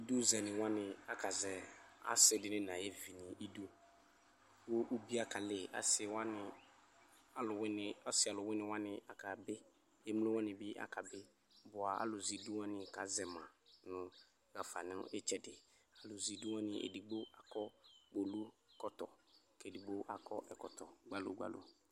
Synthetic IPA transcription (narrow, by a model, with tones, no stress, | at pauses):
i˦du˦zɛ˨nɪ̃˨wã˦nɪ̃˨a˨ka˨zɛ˨a̰˨sɪ˨dɪ˨nɪ̃˦nã˨je˦vi˨nĩ˨ʔi˦du˦ | wo˦ʔu˦bi˦a˦ka˨lɪ˨a̰˨sɪ˨wa˦nɪ˨ | a˨lʊ˨wnɪ˨a˦sɪ˨a˨lʊ˨wɪ˦nɪ̃˨wa˦nɪ̃˨a˨ka˨bɪ˦ | e˦m˦lʊ˦wa˦nɪ̃˨bɪ˦ʔa̰˨ka˨bɪ˦ | bʊ˨a˨a̰˦lʊ˨zi˨du˦wa˦nɪ̃˨ka˨˦zɛ˨mã˨nʊ̃˨ | ɣa˨fa̰˨nɪ˦e˦t͡ʃɛ˦dɪ˨a˨lʊ˨zi˨du˦wa˦nɪ˨ʔḛ˨di˨ɡ͡bo˦a˨kɔ˦ɡ͡bo˨lu˦kɔ˦t̪ɔ̰˨ | ke˨di˨ɡ͡bo˦ʔa˨kɔ˦ʔɛ˨kɔ˨tɔ˨ɡ͡ba˦lo̰˨ɡ͡ba̰˦lo̰˨